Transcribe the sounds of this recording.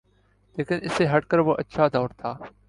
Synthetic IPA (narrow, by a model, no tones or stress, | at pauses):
leːkənɪseːɦəʈkəɾboːʔətːʃʰaːd̪oːɾt̪ʰaː